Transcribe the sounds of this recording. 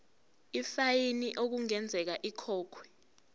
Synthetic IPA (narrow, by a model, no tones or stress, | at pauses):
ifajiniʔok̬uŋɛnd͡zʱɛk̬aʔikʰɔːkʰwɛ